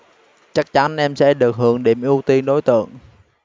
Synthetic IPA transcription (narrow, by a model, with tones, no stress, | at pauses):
t͡ɕa˦˥k̚t͡ɕa˨˦nʔɛ˧msɛ̰˧˥ɗɨ˨˩ək̚hɨ˧˩əŋɗḭ˧˩əmʔi˧əwt̪i˧nɗo˨˦jt̪ɨ̰˧˨əŋ